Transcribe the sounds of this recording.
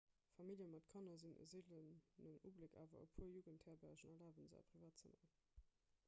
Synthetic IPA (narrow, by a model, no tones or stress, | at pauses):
fɑmiljəmɑtkʰɑnɐzinə̰ziːlənːəŋṵːbləkʰa̰ːvɐ̰ə̰pʰuəjuːɡənthɛːɐbæːɕənɛɐlaːvənza̰pʰʁivaːt̚t͡səma̰ːə